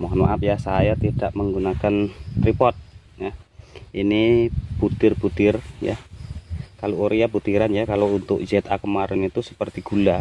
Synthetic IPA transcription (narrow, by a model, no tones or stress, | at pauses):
mɔɦno̰ʔap̚jasajat̪idaʔməŋɡunakant̪ripɔrt̪̚ | jahiniput̪ɪrbut̪ɪrja̰ | kalooɾiaput̪iɾanjakalount̪ʊk̚d͡ʒɛt̪akəmaɾɪnit̪usə̥pərt̪iɡ̥ula